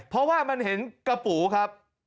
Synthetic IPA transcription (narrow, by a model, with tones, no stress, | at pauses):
pʰɾɔ˦˥waː˥˩ma˧nɦe˩˦nka˧puː˩˦kʰa˦˥p̚